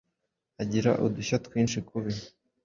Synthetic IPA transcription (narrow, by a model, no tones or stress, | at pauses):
aɟiɾa̰ʔuduɕatwiːnʃikuβi